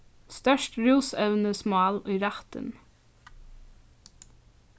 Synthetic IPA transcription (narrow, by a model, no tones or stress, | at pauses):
st̪œʃʈɹuːsœʉnəsmɑːliːɾæt̪ə̰n